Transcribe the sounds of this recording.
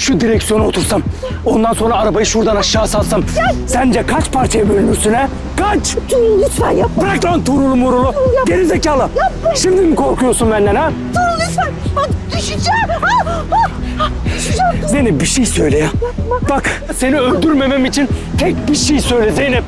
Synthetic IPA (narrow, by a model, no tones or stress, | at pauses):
ʃud̪iɾɛcsijo̞nuo̞t̪ʰuɾsam | o̞nd̪anso̞nɾaːɾabajɯʃuɾd̪anaʃːaːsalˠsamsænd͡ʒɛkʰat͡ʃpʰaɾt͡ʃʰajabølʲynyɾsynɛ | kʰat͡ʃ | pɾak̚t̪ʰont̪ʰuɾulˠumuɾulˠud̪eɾizecaːlˠɯʃimd̪inikʰo̞ɾkujoɾsunbænlʲɛɾɛ | d̪yʃd͡ʒɛ | zejnɛbiʃejsø̞jlʲejab̥akse̞niølʲd̪yɾme̞mɛmit͡ʃʰint̪ʰɛc̚biʃejsø̞jlʲezejnɛp̚